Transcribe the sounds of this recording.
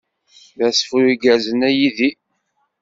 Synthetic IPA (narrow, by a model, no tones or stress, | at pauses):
væsfuɾiɡæzənæjiði